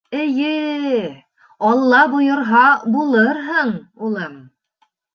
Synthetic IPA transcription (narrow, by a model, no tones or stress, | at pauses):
ɘ̆jɘ | ɑlˠːɑbujŏɾɦɑbulˠɤɾɦɤɴulˠɤm